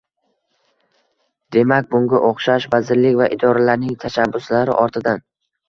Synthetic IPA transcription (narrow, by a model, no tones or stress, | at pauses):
d̪e̞mak̚ʲbʊŋɡʲaʔoχʃaʃvazɪɾlɪkʲvaʔɪd̪ɒɾalaɾnɪŋt̪ʰaʃabːʊslaɾɪ̰ʔɒɾt̪ʰɪd̪an